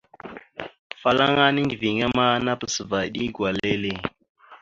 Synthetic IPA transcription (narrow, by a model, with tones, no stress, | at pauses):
fa˦la˦ŋa˦ni˦ndi˨vi˨ŋa˦ma˦na˦pə˨sə˨va˨ɗi˦ɡwa˨le˦le˦˨